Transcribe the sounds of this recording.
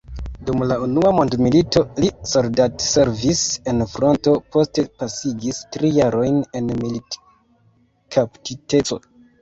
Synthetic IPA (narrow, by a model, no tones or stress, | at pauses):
dumlaunuamo̞ndmilito̞lisoldatse̞ɾvise̞nfɾo̞nto̞pʰo̞ste̞pasiɡistɾijaɾo̞jne̞nmilit | kʰaptite̞t͡so̞̰